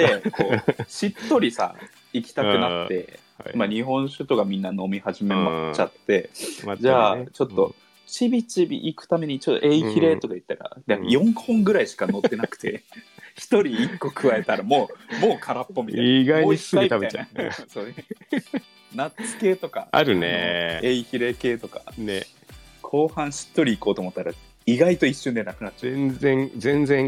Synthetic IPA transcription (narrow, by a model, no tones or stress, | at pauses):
ekoːɕit̪ːo̞ɾʲisa̰ | ikʲi̥t̪akɯ̟nat̪ːe̞ | maɲiɦõ̞ɰ̃ɕɨt̪o̞ɡamʲĩnːano̞mʲihaʑime̞mat͡ɕat̪ːe̞d͡ʑaːt͡ɕo̞t̪ːo̞ | t͡ɕibʲit͡ɕibʲḭʔikɯ̟̥t̪ame̞ɲ̟it͡ɕot̪ːo̞ʔeiçʲiɾe̞t̪o̞kait̪ːaɾa̰d̪ajõ̞ŋhõ̞ŋɡɯ̟ɾaiɕi̥kano̞t̪ːe̞nakɯ̟̥t̪e̞̰çi̥t̪o̞ɾʲiːkːo̞kʰɯ̟βae̞t̪aɾamo̞ːmo̞ːkʰaɾapːo̞mʲit̪aiɡaimoiɨmiaeajanasoːe | natt͡sɨ̥ke̞ːt̪o̞kaa̰ɾɯ̟nḛeːiçiɾe̞ke̞ːt̪o̞kḁ̰ne | kʰo̞ːhãɰ̃ɕi̥t̪ːo̞ɾʲiːko̞ːt̪oːmo̞t̪ːaɾa | iɡait̪o̞iɕːɨ̃nd̪enakɯat̪ːt͡ɕaẽnẽŋzẽ̞nd͡zẽ̞ŋ